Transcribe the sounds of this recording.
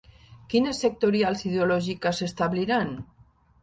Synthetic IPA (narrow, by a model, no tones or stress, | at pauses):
kinesːek̚t̪oɾjalsið̞eolɔʒikasest̪aβliɾan